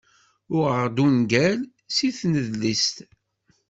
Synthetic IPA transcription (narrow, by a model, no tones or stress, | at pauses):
ʊʁəʁd̪unɡæl | siθnəðlist̪